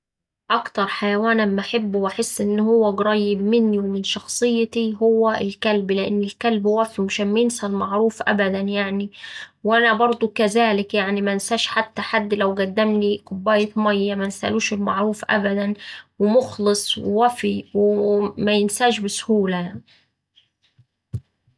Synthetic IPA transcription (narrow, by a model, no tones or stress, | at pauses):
ʔɑkt̪ɑɾˤħajawaːnammaħɪbːwʔaħɪsːʔɪnːhʊwːæɡɑɾˤɑjːɪbmɪnːiwmɪnʃɑxsˤɨjːɑt̪iɦʊwːæɪlkælblɪʔɪ̰nːɪlkælbhwæfiwmaʃæːnmæjɪnsʔælmaʕɾˤuːfʔa̰bæd̪ænjaʕniwʔænæbɑɾˤd̪ˤukæzaːlɪkjaʕnimænsaːʃħat̪ːaħad̪ːlæwɡæd̪ːæmniqʊbːæːjɪt̪mɑjːamænsʔæ̰luːʃɪlmaʕɾuːfʔa̰bæd̪ænwɪmʊxlɨsˤwwæfiwɪmæjɪnsaːʒbɪsʊhuːlajaʕni